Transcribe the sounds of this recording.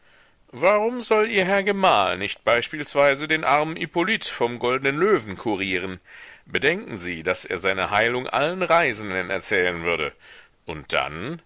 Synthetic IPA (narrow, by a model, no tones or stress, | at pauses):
vaʁʊmzɔliːɐɦɛɐɡəmaːlnɪçt̚b̥aɪʃpiːlsv̥aɪzədeːnʔaɐmənʔipolitfɔmɡɔldənənløːvn̩kʰuʁiːʁ̞ənb̥ədɛŋkŋ̩ziːd̥asʔḛːɐzaɪnəhaɪlʊŋʔa̰lənʁaɪzn̩dənɛ̰ɐt͡sɛːlənvʏɐdə | ʔʊnt̚d̥a̰n